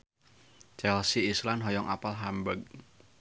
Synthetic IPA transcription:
t͡ʃɛlsiːslanɦɔjɔŋʔa̰palɦambəɡ̚

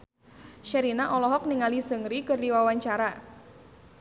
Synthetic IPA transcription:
ʃɛɾinaʔɔlɔɦɔk̚niŋalisəŋɾikɨrdiwawaɲt͡ʃaɾa

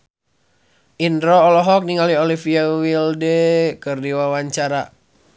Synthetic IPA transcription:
ʔindɾɔːlɔɦɔk̚niŋaliolifiawildɛkɨrdiwawaɲt͡ʃaɾa

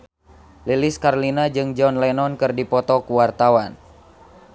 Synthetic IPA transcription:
liliskarlinad͡ʒɨŋd͡ʒɔnlɛnɔnkɨrdipɔt̪ɔkuwart̪awan

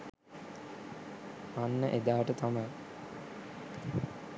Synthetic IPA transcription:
anːəʔed̪aːʈət̪amɐj

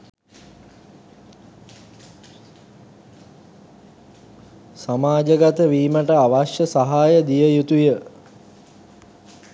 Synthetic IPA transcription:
samaːd͡ʒəɡat̪əʋiːməʈəaʋaʃjəsaɦaːjəd̪ijəjut̪ujə

